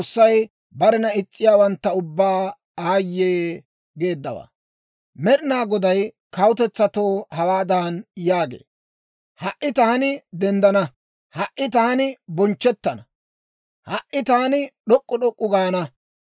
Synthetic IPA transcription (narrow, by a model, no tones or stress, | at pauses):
sːɐj | bɐɾɛnɐɪt͡sʼːɪjaːwɐnt̪ːɐʊbːaː | aːjːeː | ɡe̞ːd̪ːɐwa̰ː | mɛɗɪnaːɡɔd̪ɐj | kɐwʊt̪ɛt͡sːɐt̪o̞ːhɐwaːd̪aːnjaːɡḛː | hɐʔɪt̪aːnɪd̪ɛnd̪ɐnɐ | hɐʔɪt̪aːnɪbɔnt͡ʃːɛt̪ːɐnɐ | hɐʔɪt̪aːnɪɗɔkʼːʊɗɔkʼːʊɡaːnɐ